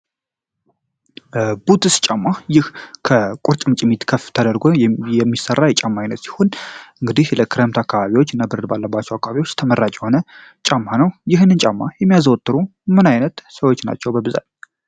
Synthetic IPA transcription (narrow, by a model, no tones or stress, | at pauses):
but̪ɨst͡ʃʼamːajɪhkʰəkʼʊɾt͡ʃʼmt͡ʃʼɪmit̪kʰəft̪ʰəd̪əɾɡojɛmːisərːajɛt͡ʃʼamːajnːət̪si̥honʔɨŋɡɨd̪ihləkʰɨɾemt̪akːaβaβiwot͡ʃːɨnːabɨɾd̪balːəbːat͡ʃːɛwakːaβaβiwo̞t͡ʃːt̪ʰəmərːat͡ʃʼjɛho̞nət͡ʃʼamːanəwjɪɦnɨnt͡ʃʼamːajɛmːijazwɔt̪ːɨɾumɨnajnət̪səwo̞t͡ʃːna̰t͡ʃːɛwbəbɨza̰t̪